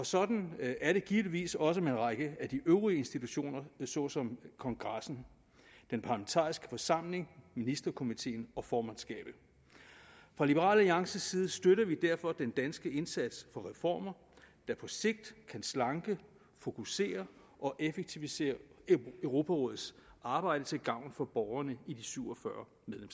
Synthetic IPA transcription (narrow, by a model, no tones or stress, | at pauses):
ɒ̽sɒ̽d̥n̩æɐɾe̝ɡ̥iːʋliʋḭːsɒ̽s̬əmenʁɑ̈ɪɡ̥əæd̥iʔøʊʁiəe̝nsd̥it͡sʰuɕo̝̰ːnɐsɒ̽sɒ̽mkʰɒ̽ŋɡ̥ʁɑsn̩ | d̥enpʰɑ̈læment͡sʰɑ̰̈ːisɡ̥ə̥fɒ̽sɑ̈m̰le̝ŋminisd̥ɐkʰo̝mit͡sʰe̝̰ːnɒ̽fɒːmænsɡ̥ɛ̰ːb̥̩ | fʁɑ̈lib̥əʁɑ̰̈ːlæliɑ̈ŋsəsiːð̞̩ˠəsd̥øɾɐʋid̥æɐfɒ̽d̥end̥ænsɡ̥əe̝nsæd̥sfɒ̽ʁɛfɒ̰ːmɐ | d̥ɑ̈pʰɒ̽se̝ɡ̥̚d̥kʰænslɑ̈ŋɡ̥ə | fo̝kʰuse̝̰ːɐ | ʔɒ̽ʔefeɡ̥̚t͡sʰiʋise̝̰ːɐʊʁo̝ːpʰæʁɔ̽ð̩ˠsɑ̈ːb̥ɑ̈ɪ̰ɾ̥ət͡sʰe̝lɡ̥ɑ̈ʊ̰nfɒ̽b̥ɒʊɐnəidisyʊ̰ɒfɶɐ | meðˠlems